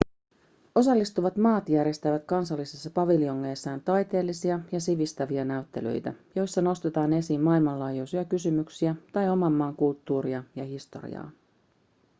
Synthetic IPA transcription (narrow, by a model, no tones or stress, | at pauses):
o̞sɑlːist̪uʋɑt̪mɑːt̪jæɾjest̪æʋæt̪kɑnsɑlːisesːɑpɑʋilio̞ŋːeːsːæːnt̪ɑjt̪e̞ːlːisiɑjɑsiʋist̪æʋiɑnæyt̪ːe̞lø̰jt̪æ̰jo̞jsːɑno̞st̪e̞t̪ɑːne̞simːɑilmɑnlɑːjujsiɑkysymyksiæt̪ɑjo̞mɑmːɑːŋkult̪ːuːɾiɑjɑɦist̪o̞̰rḭɑ̰ː